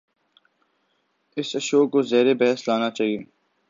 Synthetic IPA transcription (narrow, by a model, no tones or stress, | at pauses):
ɪsɐʃoːkkːozeːɾebɛɦəslaːnat͡ʃaːɦieː